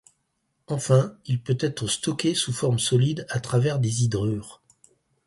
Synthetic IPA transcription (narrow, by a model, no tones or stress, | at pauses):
ɑ̃fɛ̃ilpøt̪ɛt̪χəst̪ɔkʲesufɔʁmsɔlid̪at̪χavɛʁd̪ezid̪ʁyːʁ